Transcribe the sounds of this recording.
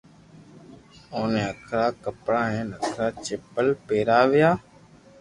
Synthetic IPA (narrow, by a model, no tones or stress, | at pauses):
oːnẽːəkʰɾaːkəpɽãːɦeːnəkʰɾaːt͡ʃeːpəlpeːɾaːʋɪjaː